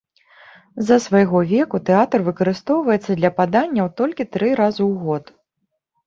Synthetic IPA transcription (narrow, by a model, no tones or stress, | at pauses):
zɐsvajɣɔvʲɛkut̪ɛat̪rvɨkɐɾɨst̪ɔwvɐjɛt̪sːɐd̪lʲɐpad̪anʲːɐwt̪ɔlʲkʲit̪ɾɨɾazɨwɣɔt̪